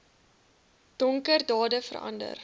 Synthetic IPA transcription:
d̥ɔŋkərdɑːdəfə̰ɾʔɐ̰ndə̰r

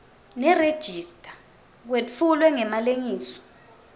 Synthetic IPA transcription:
nɛred̥ʒ̥ʱistʼḁ | k̬wefulwɛŋɛmaleŋiːsɔ̥

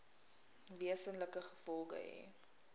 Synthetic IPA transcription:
viəsənləkəχə̥fɔlˠɡə̰ɦɛ̰

